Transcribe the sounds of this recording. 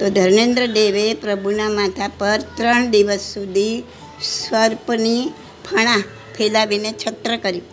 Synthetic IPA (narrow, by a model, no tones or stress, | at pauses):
t̪od̪ʱəɾnend̪ɾəd̪eʋepɾəbʱunamat̪ʰapəɾt̪ɾəɳd̪iʋəsːud̪ʱi | sʋəɾpni | pʰəɽ̃a | pʰelaʋinet͡ʃʰət̪ɾəkəɾjĩ